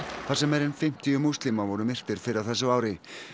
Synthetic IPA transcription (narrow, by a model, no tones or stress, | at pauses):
θasɛmɛɾɛnfɪm̥t̪ijʏmust̪lɪmavɔɾʏmɪr̥t̪ɪɾ̥fɪɾɪɾawθɛsːʏaːwɾɪ